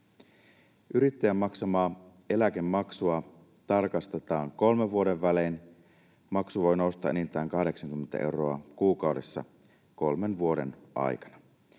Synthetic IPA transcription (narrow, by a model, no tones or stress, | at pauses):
ʔyɾit̪ːæjæmːɑksɑmɑː | e̞læk̟e̞mːɑksuɑ | t̪ɑrkɑst̪e̞t̪ɑːŋko̞lme̞ʋʋuo̞ɾe̞ʋːælen | mɑksuʋo̞jno̞wst̪ɑ̰ʔenint̪ˑæːŋkɑhde̞ksɑŋkymːent̪æ̰ʔe̞uro̞ɑkuːkɑwde̞sːɑ̰ | ko̞lme̞nʋuo̞de̞̰nʔɑ̰jkɑ̥nɑ